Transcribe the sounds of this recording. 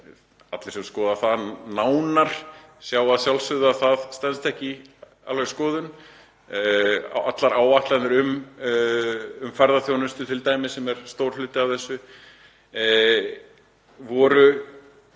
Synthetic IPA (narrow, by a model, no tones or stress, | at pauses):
a̰t̪lɪɾ̥sɛmskɔːðaθaðnaːwnaɾ̥sjaːwaðsjawlsfʏðaθaðst̪ɛnst̪ɛhcɪ | a̰lvɛɣskɔːðʏn | ʔat̪laɾaːwaht̪lanʏɾʏm | ʏmfɛɾðaθjownʏst̪ʏt̪ʰɪlt̪aːjmɪsɛmɛɾ̥st̪owɾ̥lʏːt̪ɪavθɛsːʏ | vɔːɾʏ